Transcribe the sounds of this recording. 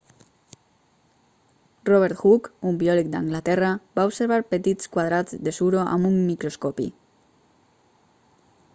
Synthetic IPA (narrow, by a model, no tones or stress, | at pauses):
rɔβeɾt̪xukumbiɔlik̚d̪a̰ŋɡlat̪ɛrabaubseɾβ̞aɾpet̪it͡skwað̞ɾad͡zd̪esuɾoʔa̰mumːikɾoskɔpḭ